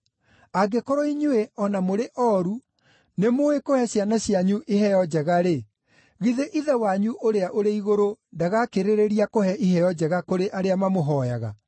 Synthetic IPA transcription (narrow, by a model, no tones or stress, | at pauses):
aɡekɔɾɔiɲueɔnamoɾeʔɔːɾu | nemoekohɛɕjanaɕjaɲuʔeɦɛjɔd͡ʑɛɣaɾe | ɣiðeʔiðɛwaɲuʔoɾeaʔoɾeiɣoɾondaɣakeɾeɾeɾiakohɛʔiɦɛjɔd͡ʑɛɣakoɾeʔaɾeamamoɦɔja̰ɣa̰